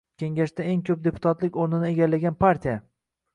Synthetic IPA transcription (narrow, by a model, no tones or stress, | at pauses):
kʲe̞ŋɡʲaʃt̪ae̞ŋkʲʰɵp̚d̪e̞pʰʊ̥t̪ʰat̪lɪkʲoɾnɪnɪe̞ɡʲalːaɡʲanpʰaɾt̪ʰija